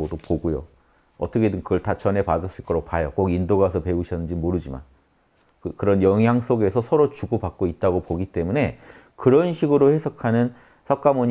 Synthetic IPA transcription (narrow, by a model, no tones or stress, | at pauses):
odopoɡojo̰ | ʌt͈ʌkʰedɯkɯʌɭtat͡ɕʌne̞padɯs͈ɯɭk͈ʌɾopajʌk͈oɡindoɡas̬ʰʌpe̞uɕʰʌnːɯnd͡ʑimoɾɯd͡ʑima̰n | kɯkɯɾʌnjʌŋɦjaŋs͈oɡe̞sʰʌsʰʌɾot͡ɕuɡopak̚k͈oit̚t͈aɡopoɡit͈e̞mune̞ | kɯɾʌnɕʰiɡɯɾohe̞sʰʌkʰanɯn | sʰʌk͈̚amoɲ